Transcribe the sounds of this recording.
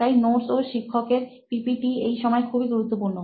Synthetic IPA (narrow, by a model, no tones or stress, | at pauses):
ajnoɾsoʃikʰːokeɾ | pipiʈiejʃɔmɔekʰubiɡuɾut̪ːopuɾno